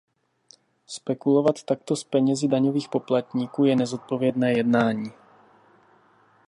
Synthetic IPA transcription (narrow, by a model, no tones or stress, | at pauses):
spɛkulo̞vat̪ːak̚t̪o̞spɛɲɛzɪdaɲoviːxpo̞plat̪ɲiːkuːjɛnɛzo̞t̪̚po̞vjɛdnɛːjɛdnaːɲiː